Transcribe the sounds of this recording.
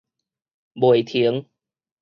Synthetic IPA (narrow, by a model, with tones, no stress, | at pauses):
bu˨˩əjt̪ʰi˨˦əŋ